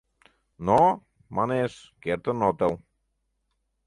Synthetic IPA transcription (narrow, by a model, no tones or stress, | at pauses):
nɔ | manes | kɛɾt̪ənɔt̪aw